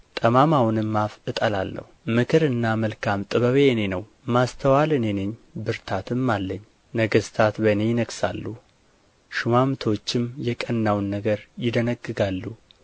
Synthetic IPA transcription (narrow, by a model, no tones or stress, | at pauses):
t̪ʼəmamawnɨmːafɨt̪ʼəla̰lːə̰humɨkʰɨɾɨnːaməlkʰamt̪ʼɨβəβeɨne̞nəw | mast̪ʰəwalɨne̞neɲːbɨɾt̪ʰat̪ʰɨmːalːəɲː | nəɡəst̪ʰat̪bənejɪnəksa̰lːu | ʃɪmamt̪ʰo̞t͡ʃːɪmjɛkʼənːawnːəɡəɾjɪd̪ənəɡːɨɡalːu